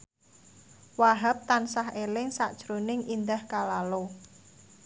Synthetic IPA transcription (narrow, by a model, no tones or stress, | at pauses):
waɦap̚t̪ansaɦelɪŋsaʔd̥ʒ̥ɾonɪŋʔind̪ahkalalo